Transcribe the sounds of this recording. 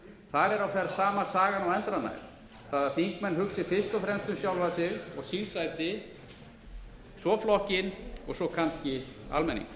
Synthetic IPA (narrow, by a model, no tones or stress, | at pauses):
θaðɛɾawθɛɾsaːmḁsaːɣanawɛnt̪ɾana̰jɾ | θaðaɾfiŋkmɛnːɦʏksɪfɪr̥st̪ɔfɾɛmst̪ʏmsjawlvasɪɣɔɣsilsajt̪ɪ | sɔflɔhcɪnɔ̰ɣsɔkʰanscɪa̰lmɛnːḭŋk